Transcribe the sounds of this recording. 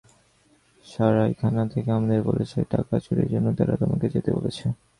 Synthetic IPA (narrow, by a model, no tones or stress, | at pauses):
ʃaɾajkʰanat̪ʰekeamad̪eɾbo̰let͡ɕʰeʈakat͡ɕuɾḛɾd͡ʑonːot̪aɾat̪omaked͡ʑet̪ebolet͡ɕʰe